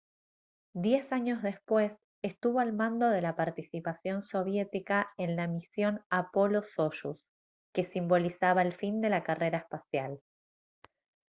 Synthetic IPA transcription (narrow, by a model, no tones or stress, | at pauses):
d̪je̞saɲo̞zðe̞spwe̞s | est̪uβo̞almãnd̪o̞ðe̞lapaɾt̪isipasjo̞nso̞β̞je̞t̪ikaenlamisjo̞napo̞lo̞so̞ʃus | ke̞simbo̞lisaβaelfind̪e̞lakare̞ɾaespasjal